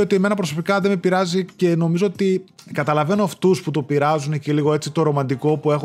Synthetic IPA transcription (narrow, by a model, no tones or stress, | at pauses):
ot̪ie̞me̞nɐpɾo̞so̞pikɐðemepiɾɐzice̞no̞mizo̞ot̪i | kɐt̪ɐlɐve̞noɐft̪usput̪o̞piɾɐzuneciliɣoe̞t͡sit̪o̞ɾo̞mɐnd̪iko̞pue̞x